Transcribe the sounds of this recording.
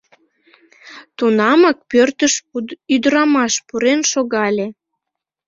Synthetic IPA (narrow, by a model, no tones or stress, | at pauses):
t̪unɑmɑk̚pørt̪əʃyd̪əɾɑmɑʃpuɾenʃoɣɑlʲe